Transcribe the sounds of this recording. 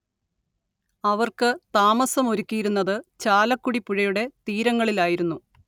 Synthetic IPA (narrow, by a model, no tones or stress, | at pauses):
ɐʋɐrkɨt̪aːmɐsɐmo̞ɾukʲːijiɾunːɐðɨt͡ɕaːlɐkːuɽipːuɻɐjuɽe̞t̪iːɾɐŋːɐɭilaːjiɾunːu